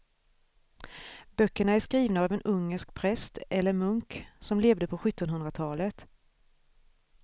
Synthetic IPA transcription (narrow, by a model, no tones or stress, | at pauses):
bœkːəɳaæʂkɾiːvnaːvɛnɵŋːəʂkpʰɾɛst̪ɛlːəɾmɵŋksɔmleːvd̪əpʰɔɧɵt̪ːɔnɦɵnd̪ɾat̪ʰɑːlət̪